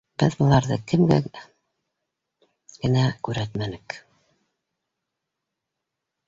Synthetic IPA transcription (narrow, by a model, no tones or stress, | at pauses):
b̥ɘðbŭlˠɑɾðɤ̰kɘ̆mɡæ̰ | ɡ̥ɘ̆nækʉɾæt̪mænɘk